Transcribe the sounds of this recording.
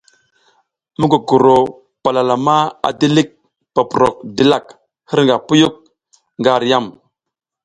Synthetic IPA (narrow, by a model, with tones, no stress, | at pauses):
mu˦ɡu˨ɡu˨ɾo˨ | pa˨la˨la˨ma˦a̰˨di˦li˦k̚ | pa˨pu˨ɾo̰˨k̚di˨la˦˨k̚ | hə˦ɾŋɡa˨pu˦ju˦k̚ | ŋɡa˦˨ɾja˦˨m